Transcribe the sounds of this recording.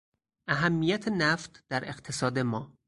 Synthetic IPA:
ʔæɦæmːijæt̪ʰenæft̪ʰd̪̥æɾeqt̪ʰesɒːd̪e̞mɒː

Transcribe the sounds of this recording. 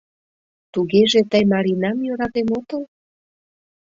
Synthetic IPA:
t̪uɣeʒet̪əjmɑɾinɑmjøɾɑt̪emot̪əl

